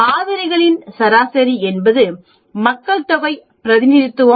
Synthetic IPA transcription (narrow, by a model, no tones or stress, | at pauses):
aːðɐɾɪɣɐɭɪnsɐɾaːsɐɾiɛnbɐðɯ | mɐkːɐɭt̪ɔɣɐɪ | pɪɾɐðɪnɪɾɪt̪ːɯʋɐ